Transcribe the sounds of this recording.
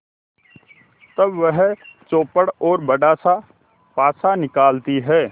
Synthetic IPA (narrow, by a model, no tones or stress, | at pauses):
t̪ɐbʋəɦt͡ʃoːpəɽɔːɾbəɖaːsa | paːsanɪkaːlt̪iɦɛː